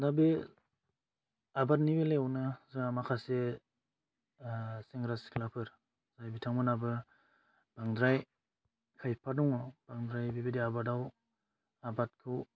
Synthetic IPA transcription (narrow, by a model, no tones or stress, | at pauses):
dabe | abat̚nibeleawnɯzaamakʰase | seŋɾasi̥klapʰɯɾ | z̥ajbitʰaŋbɯnabɯ | b̥aŋdɾaj | kʰajpʰadɔŋɔb̥aŋdɾajbibediabadaw | abat̚kʰɯw